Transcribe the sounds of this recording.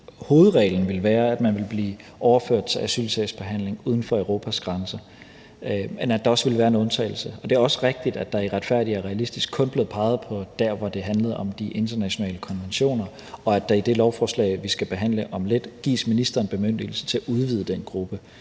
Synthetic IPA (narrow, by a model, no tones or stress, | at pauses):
ho̝ːð̞̩ˠʁɛ̰ːln̩ʋe̝lʋæːɐæd̥mænʋe̝lb̥liː | ʔɒʊɐføɐ̰d̥̚t͡sʰe̝ʔæsy̰ːlsʰɛsb̥e̝ɦæn̰le̝ŋuːð̞ˠn̩fɒ̽øʊʁo̝ːpʰæsɡ̥ʁɑ̈nsɐ | menæd̥ɑ̈ɒ̽sʋe̝lʋæːɐe̝nɔ̽nt͡sʰɛ̰ɪl̩səɒ̽d̥e̝æɐɒ̽sə̥ʁeɡ̥̚d̥id̥æd̥ɑ̈iʁad̥fæɐ̰diæɐʁɛælisd̥isɡ̥kʰɔ̽nb̥le̝ð̩ˠpʰɑ̈ɪð̞̩ˠpʰɒ̽d̥æɐ̰ʋɒd̥e̝ɦænləð̩ˠɒ̽md̥iʔe̝nd̥ɐnæɕo̝nɛ̰ːləkʰɒ̽nʋenɕo̝̰ːnɐ | ɒ̽æd̥æ̈id̥e̝lɒʊfɒːslɛ̰ɪʋisɡ̥æb̥e̝ɦæn̰ləʔɒ̽mled̥ɡ̥ḭːsminisd̥ʁɐːnb̥e̝møn̰d̥il̩sə̥t͡sʰe̝æʔuð̞ˠʋiːð̞ˠəd̥enɡ̥ʁub̥ə